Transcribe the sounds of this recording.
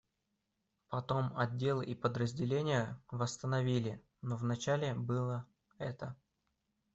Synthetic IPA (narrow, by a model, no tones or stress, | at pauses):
pɐt̪o̞mɐdʲːe̞lˠɨʔipəd̪ɾəzʲdʲɪlʲenʲɪjəvəst̪ənɐvʲilʲɪ | novnɐt͡ɕælʲɪbɨlˠə | ɛt̪ə